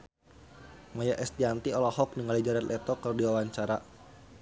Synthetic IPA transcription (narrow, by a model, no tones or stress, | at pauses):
majaʔɛst̪̚d͡ʒant̪iɔlɔhɔk̚niŋalid͡ʒaɾɛt̪ʔɛt̪ɔkɨrdiwawaɲt͡ʃaɾa